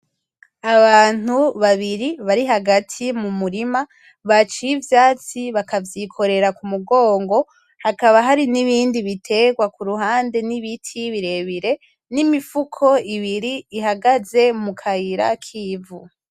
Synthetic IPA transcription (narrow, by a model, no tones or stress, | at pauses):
aβaːn̥uβaβiɾiβaɾiɦaɡatʰimumuɾima | βat͡ʃijivjaːt͡siβakavjikʰo̞ɾe̞ɾakumuɡo̞ːŋɡo̞ | hakaβaɦaɾiniβiːndiβitʰe̞ɡwakuɾuɦaːnde̞niβitʰiβiɾe̞βiɾe̞ | nimifukʰo̞iβiɾiːɦaɡaze̞mukʰaiɾa̰kʰiːvu